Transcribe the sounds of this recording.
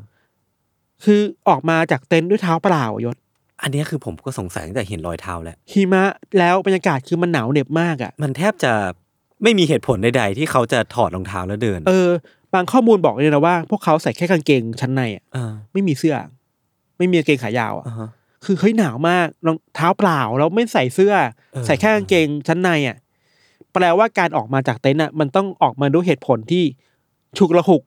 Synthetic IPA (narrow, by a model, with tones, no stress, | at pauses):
kʰɯː˧ʔɔː˨˩k̚maː˧t͡ɕaː˨˩k̚t̪e˧˥˩ndu˥˩əjt̪ʰaː˦˥wplaː˧w̰jo˦˥t̪̚ | ʔa˧nːi˦˥ɐkʰɯː˧pʰo˩˦mkɔː˥˩so˩˦ŋsa̰˨˩˦jt͡ɕa˨˩ɦe˩˦nɾɔ̰ː˧jt̪ʰa̰ː˦˥wlɛ̰˦˥ʔhʰiː˧˩ma˦˥lɛː˦˥wba˧njaː˧kaː˨˩t̪̚kʰɯː˧ma˧nːaː˩˦wne˨˩p̚maː˥˩k̚ʔa̰˨˩ʔma˧nt̪ʰɛː˥˩p̚t͡ɕa˨˩ | ma˥˩jmiː˧ɦeː˨˩t̪pʰo˩˦nda˧jda˧jt̪ʰiː˥˩kʰa˦˥wt͡ɕa˨˩t̪ʰɔː˨˩t̪̚lɔː˧ŋt̪ʰaː˦˥wlɛ˦˥wdɤː˧nʔɤː˧ | baː˧ŋkʰɔː˥˩muː˧nbɔː˨˩k̚ni˧˥na˧˩waː˥˩pʰu˥˩əkʰːa˦˥wsa˨˩jkʰɛː˥˩ka˧nke˧ŋt͡ɕʰa˦˥nːa˧jʔa̰ː˨˩˧ma˥˩jmiː˧sɯ˥˩ɐ | ma˥˩jmiː˧keː˧ŋkʰaː˩˦ja̰ː˧wʔa̰˨˩˧ | kʰɯː˧hɤ˦˥jnaː˩˦wmaː˥˩k̚nɔː˧ŋt̪ʰaː˦˥wplaː˨˩wlɛː˦˥wma˥˩jsa˨˩˦jsɯ˥˩ɐ | ssa˨˩˦jkʰɛː˥˩ka˧nkeː˧ŋt͡ɕʰa˦˥nːa˧jʔa̰˨˩ʔ | pɾɛː˧waː˥˩kaː˧nʔɔː˨˩k̚maː˧t͡ɕaː˨˩k̚t̪e˦˥nʔa˨˩ma˧nt̪ɔ˥˩ŋʔɔː˨˩k̚maː˧duː˧˥˦ɦeː˨˩t̪̚pʰo˨˩˦nt̪ʰiː˥˩ | t͡ɕʰu˨˩k̚ɾa˧hu˨˩k̚